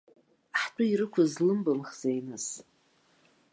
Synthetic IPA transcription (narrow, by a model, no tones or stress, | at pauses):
ħtʼʊiɾɨkʷʰʊzlɨmbɨmχz̥ajnɨs